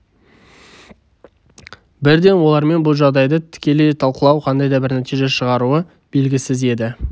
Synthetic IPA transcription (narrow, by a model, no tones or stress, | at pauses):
bɪɾd̪e̞nwo̞lˠɑɾme̞nbʊlˠʒɑʁd̪ɑjd̪ət̪ʰɪ̥kʲe̞lejt̪ʰɑlˠqəlˠɑwqʰɑnd̪ɑjd̪ɑbɪɾnæt̪ijʒe̞ʃəʁɑɾuə | b̥e̞lɡʲɪsɪze̞d̪ɪ